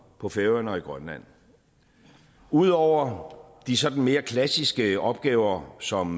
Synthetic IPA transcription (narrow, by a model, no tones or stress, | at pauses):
pʰɒ̽feʊɐnɒ̽iɡ̥ʁɶnlæn̰ | uð̞̰ˠɒʊ̰ɐd̥isɒ̽d̥n̩me̝ːɐkʰlæsisɡ̥əɒ̽b̥̚ɡ̥ɛːʊɐsɒ̽m